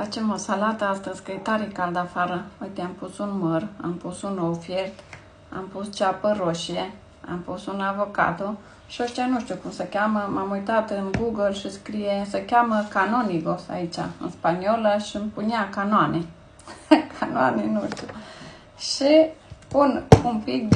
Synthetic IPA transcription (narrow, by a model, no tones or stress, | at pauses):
fat͡ʃemosalat̪əast̪əzʲkəjet̪aɾikald̪afaɾəojt̪eampusunməra̰mpusunowfjert̪ | a̰mpust͡ʃapəɾoʃije | a̰mpusunavo̞ka̰t̪o | ʃioʃt̪ianuʃt̪ʲukumsəkʲaməmamujt̪at̪ɨnɡuɡəlʃiskɾijesəkʲaməkanoniɡosa̰it͡ʃa̰ɨ̰nspanioləʃimpuniakanoane | kʰanoa̰nenuʃt̪u | ʃipunumpik̪̚